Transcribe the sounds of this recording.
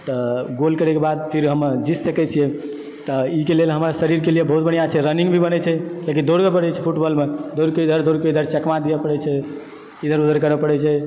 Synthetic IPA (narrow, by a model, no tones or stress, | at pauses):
t̪ɔɡolkəɾɛkebad̪̚pʰiɾɦəmd͡ʒissəkɛt͡ʃʰijɛ | t̪ɔikelelɦəmɾasəɾiɾkelijebəɦut̪bəɳijat͡ʃʰɛɾəniŋɡbʱibənɛt͡ʃʰɛlek̬id̪oɾɡəbəɽɛt͡ʃʰɛpʰuʈbəlmed̪ʱoɾkeid̪ʱəɾd̪ʱoɾkeid̪ʱəɾt͡ʃɛkmad̪ijɛpəɽɛt͡ʃʰɛ | id̪ʱəɾud̪ʱəɾkəɾɛpəɽɛt͡ʃʰɛ